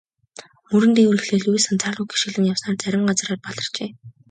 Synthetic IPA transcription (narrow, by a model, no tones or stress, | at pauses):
mɵɾɘ̆nt̪ʰeːwurɘ̆xɮeːɮujsănt͡sʰaɮʊːɡi̥ʃɘ̆ɮɘ̆njawsnaːrt͡sæɾʲɪ̆mɢat͡sraːrpaɮɞ̆rt͡ɕeː